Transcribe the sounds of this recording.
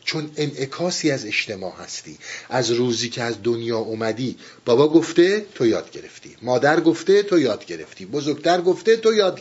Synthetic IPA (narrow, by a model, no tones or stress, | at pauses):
t͡ʃʰo̞ne̞nʔe̞kʰɒːsiːæze̞ʃt̪e̞mɒ̰ːhæ̰st̪ḭːʔæzɾuːziːcʰeæzd̪onjɒːʔomæd̪iː | b̥ɒbɒːɡo̞ft̪e̞t̪ʰo̞jɒːd̪̚ɡe̞ɾe̞̰ft̪ḭːmɒːd̪æɾɡoft̪e̞t̪ʰojɒːd̪ɟe̞ɾe̞̰ft̪iːbozoɾɡt̪ʰæɾɡoft̪e̞t̪ʰojɒːd̪